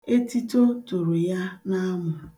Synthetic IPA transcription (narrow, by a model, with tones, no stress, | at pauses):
e˦ti˦to˦tu˨ɾu˨ja˦na˦mʊ˨